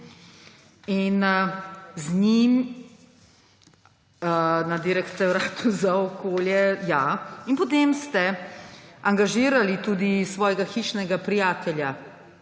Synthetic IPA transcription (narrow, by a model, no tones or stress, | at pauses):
in | znim | nad̪iɾɛkt̪sɛwɾaːt̪uzaɔkoːljɛjainpɔt̪eːmst̪ɛ | aŋɡaʒiːɾalit̪uːd̪isʋɔːjɛɡaxiʃnɛɡapɾijaːt̪ɛlja